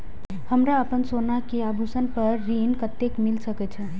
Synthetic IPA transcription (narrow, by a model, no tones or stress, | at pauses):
həmɾaəpənsonakeabʱusənpəɾːinkət̪ːekmilsəkɛt͡ʃʰɛ̃